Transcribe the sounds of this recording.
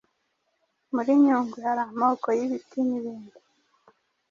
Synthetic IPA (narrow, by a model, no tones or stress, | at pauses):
muɾiɲuːŋɡihaɾamokojiβitiniβiːndu̥